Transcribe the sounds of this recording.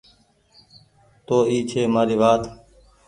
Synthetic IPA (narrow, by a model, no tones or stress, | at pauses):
t̪oːiːt͡ʃʰeːmaːɾiːʋaːt̪